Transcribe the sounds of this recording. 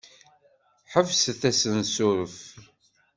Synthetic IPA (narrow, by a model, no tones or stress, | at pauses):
ħəvsθæsənsʊɾəf